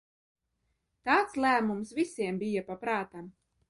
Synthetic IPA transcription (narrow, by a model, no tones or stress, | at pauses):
t̪aːt̪slˠæːmumsvisiɛmbijapapɾaːt̪am